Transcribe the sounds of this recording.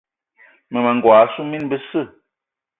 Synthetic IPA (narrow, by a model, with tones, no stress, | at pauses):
mə˨ma˨ŋɡwaː˨˦su˦mi˦nbə˦sɨ˦˨